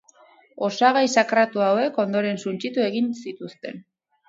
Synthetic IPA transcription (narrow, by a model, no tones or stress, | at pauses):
o̞saɣajsakɾat̪uawe̞ko̞nd̪o̞ɾe̞nsunt͡ʃit̪ue̞ɣinsit̪ust̪e̞n